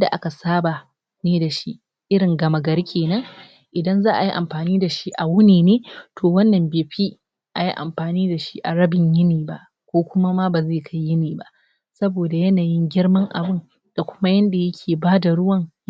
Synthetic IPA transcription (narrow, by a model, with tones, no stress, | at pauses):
jnda˨ʔa˦ka˨saː˦ba˨ | neː˦da˨ʃi˦ʔ | ʔɪ˦ɾɽɪ˨ŋɡɐ˨mɐ˨ɡɐ˦ɾkʲʰeː˨nɐ˦ŋ | ʔɪ˨dɐ˦nzaː˦ʔa˨ji˦ʔa̰˨mɸaː˨niː˦da˨ʃi˦ʔa˨wʊ˦neː˨neː˦tʰoː˨wɐ˦nːɐ˨mbeː˨ɸiː˦ | ʔa˨ji˦ʔa̰˨mɸaː˨niː˦da˨ʃi˦ʔa˨ɽɐ˦bɪ˨ɲjɪ˦niː˨ba̰˦˨ʔ | kʷoː˦kʷʊ˦ma˦ma˦ba˨zeː˦˨kʰa˦jːɪ˦niː˨ba̰˦ʔ | sɐ˦boː˨da˨jɐ˦naː˨jɪ˦ŋɡʲɪ˦ɽmɐ˦ŋʔa̰˨bɪ˦n | d̥a˨kʷʊ̥˦ma˦jɐ˦nda˨jɐ˦kʲʰeː˨baː˦da˨ɽʊ˦wɐ˦˨ŋ